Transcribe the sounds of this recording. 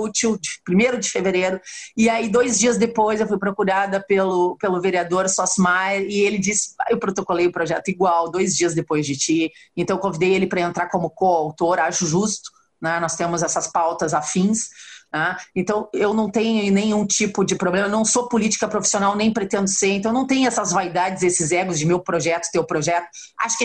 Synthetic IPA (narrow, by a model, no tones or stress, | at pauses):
ut͡ʃiwd͡ʒɪpɾimejɾʊd͡ʒɪfeveɾeɾʊɪaid̪ojzd͡ʒiɐzd̪epojzewfujpɾokuɾad̪ɐpelʊpelʊveɾiad̪oɾsɔsmajeɾɪelɪd͡ʒisɪ̥a̰ewpɾot̪okolejʊpɾoʒɛ̰t̪ʊiɡwawd̪ojzd͡ʒiɐzd̪epojzd͡ʒɪt͡ʃiẽnt̪ɐ̃ewkõvid̪ejelɪpɾɐẽnt̪ɾaɾkõmʊkoawt̪oɾaʃʊʒust̪ʊ̥ | nɛnɔst̪ẽmʊzɛsɐspawt̪ɐzafĩsnɛẽnt̪ɐ̃w̃ewnɐ̃w̃t̪ẽɲʊnẽj̃ũt͡ʃipʊd͡ʒɪpɾoblẽmɐnɐ̃w̃sopʊlit͡ʃi̥kɐpɾofi̥sionawnẽj̃pɾet̪ẽnd̪ʊseɾẽnt̪w̃ñt̪ẽɲʊɛsɐzvaid̪ad͡ʒɪzesɪzɛɡʊzd͡ʒɪmewpɾoʒɛt̪ʊ̥t̪ewpɾoʒɛt̪ʊ̥ | a̰ʃʊ̥kɪ